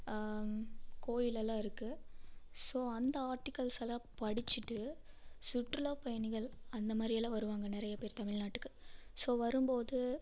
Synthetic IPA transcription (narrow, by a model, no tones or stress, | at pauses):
koːjɪlɛlːãːɪɾɯkːɯ | soːɐnd̪ɐaːɾʈːɪkːɐlsɐlaːpɐɽɪt͡ʃːɯʈːɯ | sʊʈːɾɯloːpɐjɐnɪɣɐɭɐnd̪ɐmaːd̪ɾɪɐlãːʋɐɾɯʋaːŋɡɐnɪɾɐjɐpeːɾt̪ɐmɪɻnaːʈːɯkːɯ̥soːʋɐɾɯmboːðɯ